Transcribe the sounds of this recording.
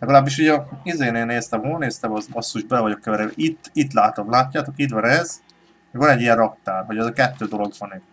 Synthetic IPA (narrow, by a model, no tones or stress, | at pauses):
lɛɡɒlaːbːiʃ̬uɟɛizeːneːlneːst̪ɛmɦolneːst̪ɛmɒzɒsːuʒbɛlɛvɒɟo̞kːɛvɛɾɛit̪ːit̪laːt̪omlaːcːaːt̪o̞kid̪vɒnɛz̥ | mɛɡvɒnɛɟːijɛrrɒk̚t̪aːrɦo̞ɟɛzɒkɛt̪ːøːd̪o̞lo̞ɡvɒne